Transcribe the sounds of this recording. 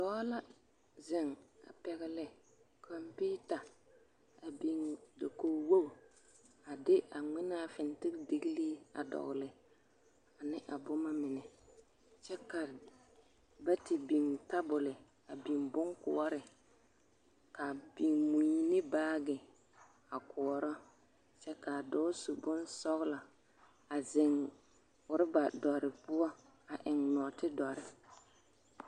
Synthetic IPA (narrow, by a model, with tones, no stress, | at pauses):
dɔ˦la˦ | zɪ˨ŋa̰˨pɛ˨ɣɪ˦lɪ˦ | kʰɔ˨mpi˦ta˨ | a˨bi˨ŋdo˨ko˨wo˦˨ | a˨dɪ˦ʔa˨ŋ͡mɪ˦na˦˨fɪ˨ntɪ˦ɾdɪ˦ɡli˦a̰˨dɔ̰˨ɣlɪ˨ | a˨nɪ˦ʔa˨bʊ˦ma˦mɪ˨nɛ˨ | t͡ʃɛ˦ka˨ | ba˦tɪ˨bi˨ŋta˦bʊ˨lɪ˨ | a˨bi˨mbʊ˦ŋkʊ̰˨ɔ˦ɾɪ˨ | ka˨bi˨ŋmu˨ɲi˦nɪ˦baː˦ɡɪ˨ | a˨kʰʊ˨ɔ˨ɾɔ˦ | t͡ʃɛ˦ka˨dɔ˦su˨bʊ˦nsɔ˦ɣla˨ | a˨zɪ˨ŋ | ʊ˨ɾɪ˦ba˨dɔ˨ɾɪ˨pʊ˦ɔ˦ | a˨ʔɪ˨ŋnɔ˨tɪ˦dɔ˨ɾɪ˨